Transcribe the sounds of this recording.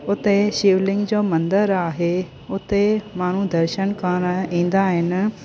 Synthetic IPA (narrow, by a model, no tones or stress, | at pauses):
ʊt̪eʃɪːʋlɪ̃ŋɡd͡ʑoːmɐ̃nd̪əɾaːɦe | ʊt̪emaːɳ̤ũd̪ɐɾʃəñkaːnaĩːnd̪aɦɪnɪ̆